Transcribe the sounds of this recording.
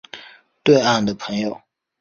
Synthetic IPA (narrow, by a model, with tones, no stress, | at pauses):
t̪we˥˧ɪa˥˩nd̪ə˩pʰɤ˧˥ŋjo˨˩ʊ